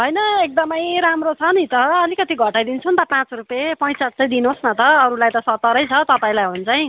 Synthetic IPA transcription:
ɦʌjnʌek̚d̪ʌmʌjɾamrot͡sʰʌnit̪ʌʌlikʌt̪iɡʱʌʈajd̪int͡sʰunt̪ʌpãt͡srupjepʌj̃t͡sʌt͡sʌjd̪inosnʌt̪ʌːɾulajt̪ʌsʌt̪ːʌɾʌjt͡sʰʌt̪ʌpãĩlajɦunt͡saj̃

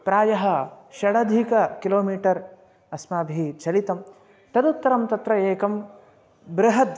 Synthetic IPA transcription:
pɾaːjɐɦɐʃɐɽɐd̪ʱikɐkiloːmiːʈɐɾ | ɐsmaːbʱit͡ʃʰɐlit̪ɐm | t̪ɐd̪ut̪ːɐɾɐmt̪ɐt̪ɾɐeːkɐm | bɾɐɦɐt̪

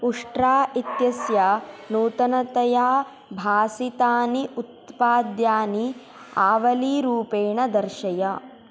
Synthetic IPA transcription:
uʂʈɾaːʔit̪jɐsjanuːt̪ɐnɐt̪ɐjaː | bʱaːsit̪aːniʔut̪paːd̪jaːni | aːʋɐliːɾuːpeːɳɐd̪ɐɾʃɐjɐ

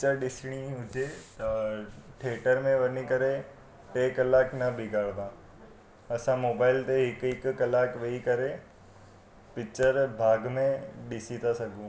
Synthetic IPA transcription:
ɪt͡ʃəɾɗɪsɪɽ̃iɦʊd͡ʑʱe | ʈʰeːʈəɾmẽʋɐnikɐɾe | ʈeːkɐlaːknɐbʱɪɡʱaːɭd̪ãː | ɐsãmoːbaːɪlt̪eɦɪkɪkːɐlaːkʋeikɐɾe | pɪt͡ʃəɾbʱaːɡmẽɗɪsit̪ʰasɐɡʱũː

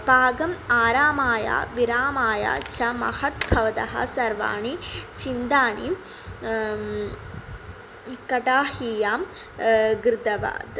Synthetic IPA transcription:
baːɡɐmaːɾaːmaːja̰ːʋiɾaːmaːja̰ːt͡ʃɐmɐ̰hɐt̪̚bʱɐʋɐd̪ɐɦɐ̰sɐɾʋa̰ːɳit͡ʃind̪aːnim | kɐʈaːhijaːm | ɡɾɪd̪ɐʋa̰ːd̪

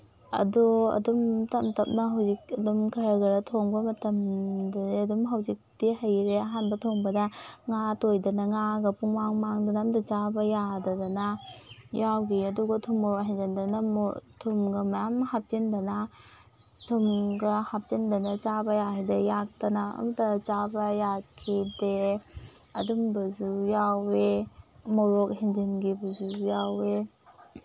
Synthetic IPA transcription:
ɐ̰duɐ̰dumtɐmtɐp̚nɐɦawzik̚ɐdumkʰɐɾɐɡɐɾɐtʰoŋbɐmɐtɐmdɐdɐdumɦawzik̚tiɦɐjɾeɐɦanbɐtʰoŋbɐdɐŋatojdɐnɐŋaɡɐpuŋmaŋmaŋdanamdat͡ʃabɐjadɐdɐnajawɡiɐduɡɐtʰumɔɾoɦajdandanamɔ̰tʰumɡɐmajamɦap̚t͡ʃindɐna | tʰumɡɐhap̚t͡ʃindɐnat͡ʃabɐjaɦajdɐjak̚tɐnaa̰mdɐt͡ʃabɐjakʰide | ɐdumbɐzujawe | mɔɾɔk̚ɦend͡ʒinɡibɐzujawe

